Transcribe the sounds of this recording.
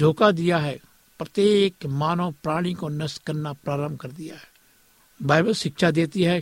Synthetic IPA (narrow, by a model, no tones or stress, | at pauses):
ɖʱoːkad̪ɪjaɦɛː | pɾət̪eːkmaːnõpɾaːɽ̃ikonəskəɾnapɾaːɾəmbkəɾd̪ɪjaɦɛ̥ː | baːɪbəlʃɪkʃad̪eːt̪iɦɛː